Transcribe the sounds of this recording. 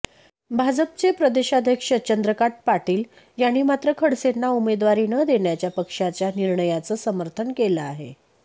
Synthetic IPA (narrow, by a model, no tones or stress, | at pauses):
bʱad͡zəp̚t͡sepɾəd̪eɕad̪ʱjəkʂət͡ɕənd̪ɾəkaʈ̚paʈiːl | janːiːmat̪ɾəkʰəɽsenːaumed̪ʋaɾiːnəd̪eɳjat͡ɕjapəkʂat͡ɕjaniɾɳəjat͡səːsəməɾt̪ʰənkeləaɦḛ